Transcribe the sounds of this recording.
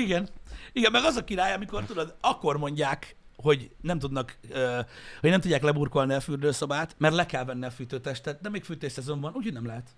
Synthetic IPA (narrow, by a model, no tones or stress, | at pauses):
iɡɛniɡɛnmɛɡɒzɒkiɾaːjɒmiko̞rt̪ud̪od̪ɒkːo̞rmo̞ɲɟaːk | ho̞ɟnɛmt̪ud̪nɒkøhoɟ̥nɛmt̪udɟːaːklɛburko̞lniɒfyːrd̪øːsobaːt̪mɛrt̪lɛkɛlvɛnːiɒfyːt̪øːt̪ɛʃt̪ɛt̪̚d̪ɛmeːkfyːt̪eːʃsɛzo̞ɱbɒnuːcʰhodnɛmlɛɦɛt̪